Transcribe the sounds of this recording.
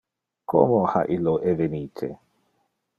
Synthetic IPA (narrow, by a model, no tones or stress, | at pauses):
ko̰moha̰ʔilːoʔeveniːt̪ʰḛ